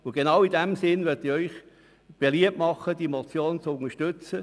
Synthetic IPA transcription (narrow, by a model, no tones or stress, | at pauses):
ʊɡ̥enɑwidɛmsɪnʋœtiœʏχ | b̥eliəp̚mɑχəd̥imɔt͡sjoːnt͡sʊŋəʃtʏt͡sə